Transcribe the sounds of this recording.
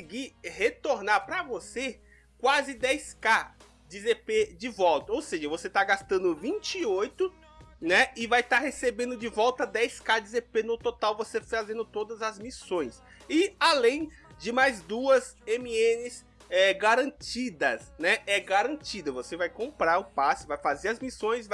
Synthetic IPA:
ɪɡihet̪oɾnaɾpɾɐvose | kwazɪd̪ɛjska | d͡ʒɪzeped͡ʒɪvɔwt̪ɐowseʒɐvoset̪aɡast̪ɐ̃nd̪ʊvĩnt͡ʃiojt̪ʊ | nɛɪvajt̪aɾɦesebẽnd̪ʊd͡ʒɪvɔwt̪ɐd̪ɛjskad͡ʒɪzepenʊt̪ot̪awvosefazẽnd̪ʊt̪od̪ɐzɐzmisõj̃s | ɪalẽj̃ | d͡ʒɪmajzd̪uɐzẽmiẽnɪz | ɛɡaɾɐ̃t͡ʃid̪ɐsnɛɛɡaɾɐ̃nt͡ʃid̪ɐvosevajkõmpɾaɾʊpasɪvajfazeɾɐzmisõj̃sv

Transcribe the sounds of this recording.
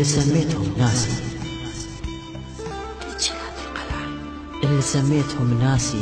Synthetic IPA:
isamːeːt̪hʊmnaːsḭ | d̪it͡ʃnhaðalqala | ʔɪlːisamːeːt̪hʊmnaːsi

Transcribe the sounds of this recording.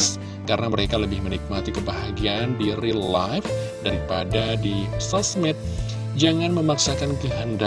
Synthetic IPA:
s | kaɾənaməɾekaləbɪhmənik̚mat̪ikəbaɦaɡiandirilajfdaɾipa̰dadisasmɛt̪̚ | d͡ʒaŋanməmaksakankəɦanda

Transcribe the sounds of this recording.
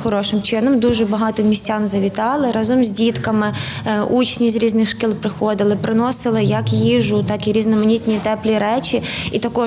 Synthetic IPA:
xɔɾɔʃɪmt͡ʃɪnɔmd̪uʒɛbɐɦɑt̪ɔmʲisʲtʲɑnzɐʋʲit̪ɑlˠɪɾɐzɔmzʲdʲit̪kɐmɪ | ut͡ʃnʲizʲɾʲiznɪxʃkilˠpɾɪxɔd̪ɪlˠɪpɾɪnɔsɪlˠɪjɐkjiʒʊt̪ɑkiɾʲiznɔmɐnʲit̪ʲnʲit̪ɛplʲiɾɛt͡ʃʲiit̪ɐkɔ

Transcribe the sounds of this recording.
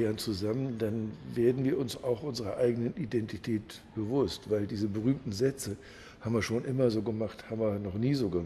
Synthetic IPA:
ant͡suzaməndanveːɐdn̩viːɐʊnsaʊxʔʊnzəʁɐʔaɪɡənənʔidɛntitʰɛːt | b̥əvʊstv̥aɪldiːzəbəʁyːmtn̩zɛt͡sə | haːbm̩viːɐʃoːnʔɪmɐzoːɡəmaχthaːbm̩viːɐnɔχniːzoːɡə

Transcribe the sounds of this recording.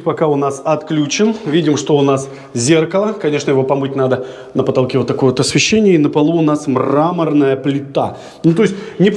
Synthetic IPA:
pɐkaʊnasɐt̪klʲut͡ɕɪnvʲidʲɪmʂt̪o̞ʊnas | zʲe̞rkəlˠəkɐnʲe̞ʂnəjɪvo̞pɐmɨt̚ʲnad̪ə | nəpət̪ɐlˠkʲevot̪ːɐkoəot̪ɐsvʲɪɕːenʲɪjəinəpɐlˠuʊnasmramərnəjəplʲɪt̪a̰ | nut̪o̞ɪsʲtʲnʲɪp

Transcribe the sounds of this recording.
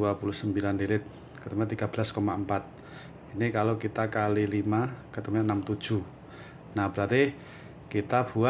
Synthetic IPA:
uapulʊhsəmbilanlilɪt̪̚ | kət̪əmaɲat̪iɡ̥ab̥laskomaəmpat̪̚ | inikalokit̪akalilimakət̪əmaɲanamt̪ud̥ʒ̥ṳ | nahb̥əɾat̪i | kit̪ab̥ua

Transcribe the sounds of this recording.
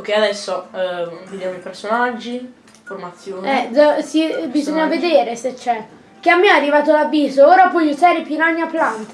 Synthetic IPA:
kːead̪ɛsːo | ved̪jaːmoipersonad͡ʒːi | format̪sːjoːɛd͡ʒasibizoɲːaved̪eːɾeset͡ʃːɛ | k̟eamːearːivaːt̪oalavːiːzooːɾapwɔjuzaːɾepjinaɲːapːlant̪

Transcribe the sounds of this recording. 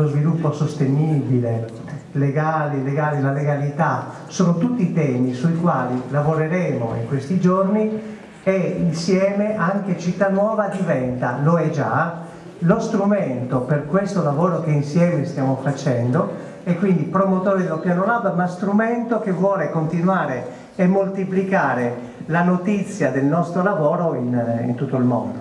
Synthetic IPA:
lozvilupːosost̪eniːbile | leɡaːleleɡaːlelaleɡalit̪a | soːnot̪ut̪ːiːt̪ɛːmisuikwaːlilavoɾeɾɛːmo̰ḭŋkwest̪id͡ʒorni | einsjɛːmeʔaŋket͡ʃit̪ːanwɔːvad̪ivɛnt̪aloɛd͡ʒa | lost̪ɾument̪operkwest̪olavoːɾokeinsjɛːmest̪jaːmofat͡ʃɛnd̪o | ekːwind̪ipɾomot̪oːɾid̪elopjanolabmast̪ɾument̪ok̟evːwɔːlekont̪inwaːɾe | emːolt̪iplikaːɾe | lanot̪it̪sːjad̪elnɔst̪ɾolavoːɾoinḭnt̪ut̪ːoilmo̰nd̪o

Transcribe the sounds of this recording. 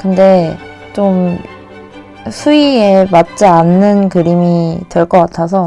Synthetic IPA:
kɯnde̞ | t͡ɕom | sʰuiemat̚t͡ɕ͈ianːɯnkɯɾimitweɭk͈ʌk͈atʰas̬ʰʌ

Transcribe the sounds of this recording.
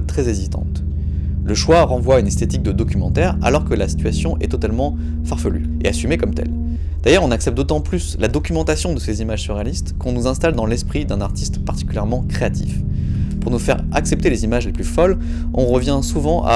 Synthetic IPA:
t̪χɛzezit̪ɑ̰̃t̪ | ləʃwaʁɑ̃vwaynɛst̪et̪ik̚d̪əd̪ɔkʲymɑ̃t̪ɛʁa̰lɔʁkəlasi̥t̪ɥasjɔ̃ʔɛt̪ɔt̪almɑ̃ | faʁfəly̰ḛasymekɔmt̪ɛ̰l | d̪̥ajœʁɔ̃naksɛpt̪̚d̪ot̪ɑ̃plyslad̪ɔkʲymɑ̃t̪asjɔ̃d̪əsezimaʒsyʁealist̪kɔ̃nuzɛ̃st̪ald̪ɑ̃lɛspχid̪ɛ̃naʁt̪ʰist̪paʁt̪i̥kʲyljɛʁmɑ̃kχeat̪ʰḭfpuʁnufɛʁ | a̰ksɛp̚t̪elezimaʒleplyfɔl | ɔ̃ʁəvjɛ̃suvɑ̃ʔa̰

